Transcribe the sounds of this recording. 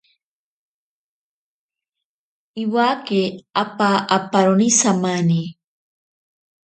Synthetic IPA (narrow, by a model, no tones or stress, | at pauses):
iwakeapaʔapaɾonisamani